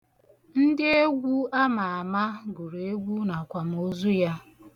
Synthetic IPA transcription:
n̩˦dɪ˦e˦ɡʷu˦a˦ma˨a˨ma˦ɡʷu˨ɾe˦ɡʷu˦na˨kʷa˨m̩˨o˦zu˦ja˦

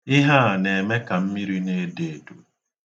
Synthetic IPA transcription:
ɪ˦ɦa˦˨ne˨me˦ka˨m̩˦mi˦ɾi˦ne˦de˨du˨

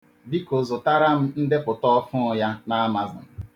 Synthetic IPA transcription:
bi˦ko˨zʊ˨ta˦ɾa˦m̩˦n̩˦de˦pʊ˨tɔ˦ɔ˦fʊ˦˨ja˦na˦ma˨zʊ̰˨

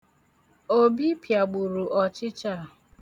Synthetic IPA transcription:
o˦bi˦pja˨ɡ͡bu˨ɾu˨ʔɔ˨t͡ʃɪ˦t͡ʃa˦˨

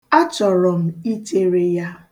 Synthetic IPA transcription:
a˦t͡ʃɔ˨ɾɔ˨m̩˦i˦te˦ɾe˨ja˦

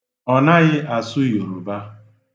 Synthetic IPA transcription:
ɔ˨na˦ɣɪ˦ʔa˨sʊ˦jo˨ɾo˨ba˦

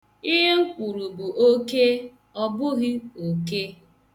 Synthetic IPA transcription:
i˦ɦe˦ŋ̩˦kʷu˨ɾu˨bu˨ʔo˦ke˦ | ɔ˦bʊ˦ɣɪ˦o˨ke˦

